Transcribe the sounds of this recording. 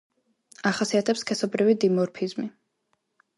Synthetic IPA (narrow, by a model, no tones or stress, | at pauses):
aχasiat̪ʰɛpskʰɛsɔbɾivid̪imɔɾpʰizmi